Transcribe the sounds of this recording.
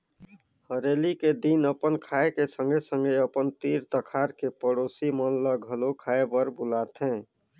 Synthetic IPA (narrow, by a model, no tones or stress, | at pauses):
həɾeliked̪inəpənkʰaekesəŋɡʱesəŋɡeəpənt̪iɾt̪əkʰaɾkepəɽosimənləɡʱəlokʰaebəɾbulat̪ʰẽ